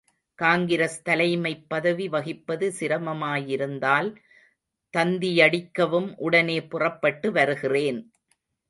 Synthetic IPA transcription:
kaːŋɡɪɾɐst̪ɐlɐɪmɐɪpːɐðɐʋiʋɐɣɪpːɐðɯsɪɾɐmɐmaːjɪɾɯnd̪aːl | t̪ɐnd̪ijɐɽɪkːɐʋɯmʔʊɽɐneːpʊrɐpːɐʈːɯʋɐɾɯɣɪreːn

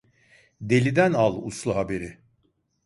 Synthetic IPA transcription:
d̪e̞lʲid̪ænalˠṵslˠuɦabe̞ɾɪ

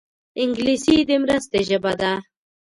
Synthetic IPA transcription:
ɪŋɡlisid̪əmɾəst̪eʒəbad̪a

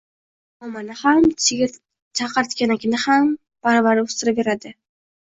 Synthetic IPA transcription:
ɒmanɪham | t͡ʃʰaqɑɾt̪kʲanakʲʰɪnɪham | b̥aɾbaɾʊst̪ɪɾapbeɾad̪ɪ

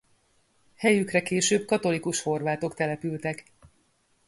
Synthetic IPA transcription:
hɛjykrɛkeːʃøːb̚kɒt̪o̞likuʃho̞rvaːt̪o̞kt̪ɛlɛpylt̪ɛk

